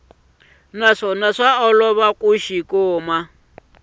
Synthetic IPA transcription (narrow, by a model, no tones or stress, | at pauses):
naʂɔnaʂaɔlɔβakʼuʃikʊːma